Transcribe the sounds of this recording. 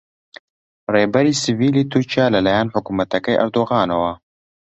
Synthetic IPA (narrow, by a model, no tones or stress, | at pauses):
reːbɛɾiːsɨviːliːt̪ʰuɾt͡ʃijaːlɐlaːjaːnħʊkuːmɐt̪ɐkɐjʔɐ̰ɾd̪oːɣɑːnɐwɐ